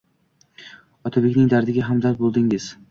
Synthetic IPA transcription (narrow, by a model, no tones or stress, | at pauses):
ɒt̪ʰabekʲnɪŋd̪aɾd̪ɪɡʲaɦamd̪aɾbolˠd̪ɪŋɪz̥